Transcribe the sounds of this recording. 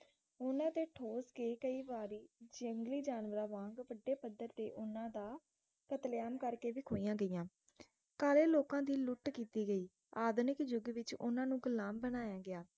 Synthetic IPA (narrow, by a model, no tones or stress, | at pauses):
ʊnãːt̪eːʈʰoːskeːkəiːʋaːɾiːd͡ʒəŋɡliːd͡ʒaːnʋəɾaːʋãːŋɡʋəɖːeːpəd̪ːəɾt̪eːʔʊnãːd̪aː | kət̪ljaːmkəɾkeːʋiːkʰoːijãːɡəijãː | kaːleːloːkãːd̪iːlʊʈkiːt̪iːɡəiː | aːd̪nɪkd͡ʒʊɡʋɪt͡ʃʊ̰nãːnũːɡʊlaːmbənaːjãːɡɪaː